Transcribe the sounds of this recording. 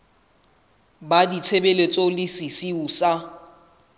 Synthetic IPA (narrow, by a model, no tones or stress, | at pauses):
badit͡sʰebelet͡sʼɔlɪsisiuːsa